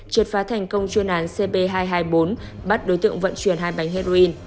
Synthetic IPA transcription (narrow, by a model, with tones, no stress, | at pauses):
t͡ɕɨ˨˩t̚faː˨˦t̪ʰɛ˨˩jŋ̟kə˧wŋ͡mt͡ɕwi˧ənʔaː˨˦nse˧ɓe˧ɦaː˧jɦaː˧jɓo˨˦nɓa˦˥t̚ɗo˨˦jt̪ɨ̰˧˨əŋvə̰˧˨nt͡ɕwi˧˩ənɦaː˧˩jɓa˨˦jŋ̟ɦe˧zo˧ʔi˧n